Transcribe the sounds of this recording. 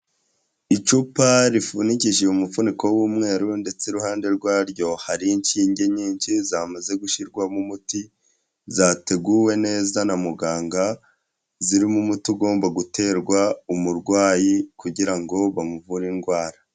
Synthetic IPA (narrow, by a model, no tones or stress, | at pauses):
it͡ʃupaɾifuniciʒeumufuniko̞wuːmŋe̞ːɾunde̞t͡se̞ɾuhaːnde̞ɾɡwaːɾjɟo̞haɾiɲt͡ʃiːɲɟe̞ɲiːnt͡ʃizamaze̞ɡuʃiɾɡwamumuti | zaːte̞ɡuwe̞ne̞ːzanamuɡaːŋɡa | ziɾimumutiuɡo̞ːmbaɡutʰe̞ːɾɡwaumuɾɡwaːjikuɟiɾaŋɡo̞βamuvuɾinɡwaːɾa